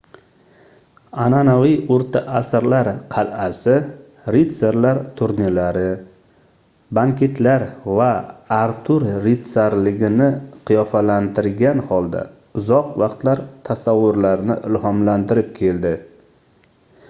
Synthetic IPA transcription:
ananavijoɾt̪ʰaʔasɾlaɾqʰɑlasɪ | ɾit̪seɾlaɾt̪ʰʊɾnilaɾɪ | baŋkʲʰe̞t̪ʰlaɾvaːɾt̪ʰʊɾːit̪saɾlɪɡʲɪnɪqʰijɒfalant̪ʰɪɾɡʲanhɒlˠd̪a̰ | ʊzɒqvɑqt̪laɾt̪ʰasavːʊɾlaɾnɪ̰ʔɪlhɒmlant̪ɪɾɪp̚kʲʰe̞ld̪ɪ

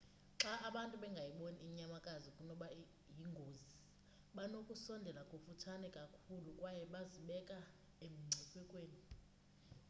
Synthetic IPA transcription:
ǁaaɓantʼuɓɛŋɡʱajiɓoniːɲamakʼazikʼunɔɓa | jiŋɡʱozi | ɓanokʼusɔndʱɛlakʼofutʰanɛkʼakʰulukʼwajɛɓaziɓɛkʼa | em̩ŋ͡ǀʱɛkʰwɛkʼweːni

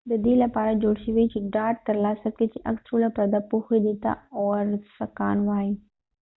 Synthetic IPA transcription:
d̪əd̪ilɐpaːɾad͡ʒoːɽʃiʋit͡ʃiɖaːʈ̚t̪ɐɾlaːsɐket͡ʃiʔɐ̰ksəɾulapɾɐd̪apuxed̪it̪a̰ɔːɾsɐkaːnʋaːi

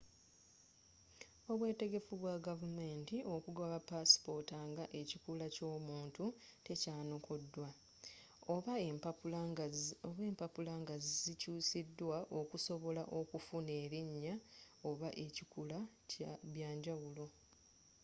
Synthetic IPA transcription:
o̞βwe̞ːte̞ɡe̞fuβwaɡavume̞ːntiʔo̞kuɡaβapaspo̞taːŋɡaʔe̞cikulaco̞ːmuːntute̞caːno̞kʰo̞dːwa | oβa | oβweːmpapulaːŋɡazizicuːsidːwaʔo̞kuso̞βo̞laʔo̞kufune̞ːɾiɲːa | oβaʔe̞cikula | βjaːɲɟawulo̞

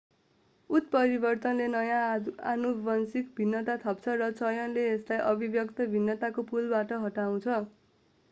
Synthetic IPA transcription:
ut̪̚pʌɾibʌrt̪ʌnlenʌjãa̰nubʌnsikbʱinːʌt̪at̪ʰʌp̚t͡sʰʌrʌt͡sʌjʌnleːslajʔʌbʱibjʌkt̪ʌbʱinːʌt̪akopulbaʈʌɦʌʈaw̃t͡sʰʌ

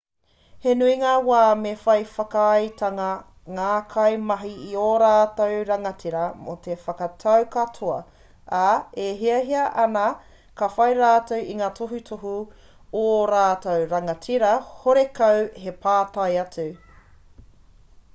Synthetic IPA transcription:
henuiŋaːwaːmefɐjfɐkɐɐjtʰɐŋɐ | ŋaːkʰɐjmɐɦiioɾaːtowɾɐŋɐtʰiɾɐmotʰefɐkɐtʰɐwkɐtʰoɐ | aeɦiɐɦiɐʔɐnɐ | kɐfɐjɾaːtowʔiŋaːtʰoɦutʰoɦu | ooɾaːtowɾɐŋɐtʰiɾɐhoɾekɐwhe̞pʰaːtɐjɐt͡su

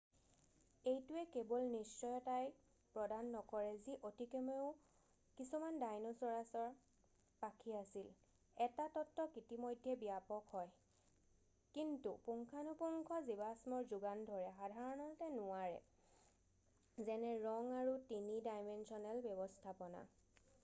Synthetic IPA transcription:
ejtuɛkebɔlnisːɔjɔtaj | pɹɔdanːɔkɔɹɛziʔotikɛmeʊ | kisumandajnɔsɔɹasɔɹ | pakʰiasil | ɛtatɔtːɔkitimɔjdʱːjɛbijapɔkhɔj | kintupuŋkʰanupuŋkʰɔzibasmɔɹzuɡandʱɔɹɛxadʱaɹɔnɔtɛnʊwaɹɛ̰ | zɛnɛɹɔŋaɹutinidajmɛnsɔnɛlbjɔbɔstʰapɔna̰

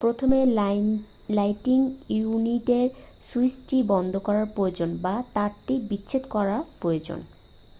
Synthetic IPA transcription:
pɾot̪ʰome | lajʈiŋjuniʈeɾsuisʈibɔnd̪ʱokɔɾaɾpɾojod͡ʑonbat̪aɾʈibitːɕʰet̪okɔɾaɾpɾojod͡ʑo̰n

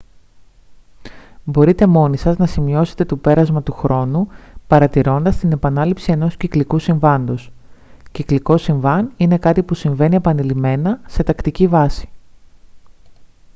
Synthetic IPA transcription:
bo̞ɾit̪e̞mo̞nisɐznɐsimio̞se̞̥t̪e̞t̪o̞pe̞ɾɐzmɐt̪uxɾo̞nupɐɾɐt̪iɾo̞nd̪ɐst̪ine̞pɐnɐlipsie̞no̞sciklikusiɱvɐnd̪o̞s | cikliko̞siɱvɐnine̞kɐt̪ipusiɱve̞nie̞pɐnilime̞nɐse̞t̪ɐkt̪icivɐsi̥

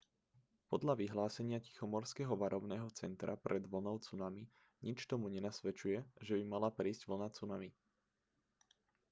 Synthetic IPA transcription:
pɔd̪ʎaʋiɦlaːsɛɲɪaci̥xɔmɔɾskɛɦɔʋaɾʔɔbnɛːɦɔt͡sɛnt̪ɾʔapɾɛd̪ʋl̩nɔʊt͡sunami | ɲit͡ʃt̪ɔmuɲɛnasʋɛt͡ʃujɛʒɛbimalapɾiːzɟ̥ʋl̩nat͡sunami

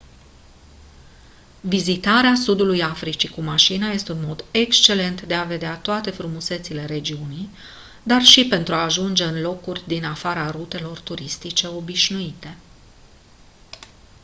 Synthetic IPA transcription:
vizit̪aɾeasud̪ulujafɾit͡ʃikumaʃinaje̞st̪eunmo̞d̪e̞kst͡ʃe̞le̞nt̪d̪e̞ave̞d̪eat̪oat̪e̞fɾumuse̞t̪sile̞ɾe̞d͡ʒiunij | d̪arʃipe̞nt̪ɾuaːʒund͡ʒe̞ɨnlo̞kurʲd̪inafaɾaɾut̪e̞lo̞rt̪uɾist̪it͡ʃe̞o̞biʃnuit̪e̞

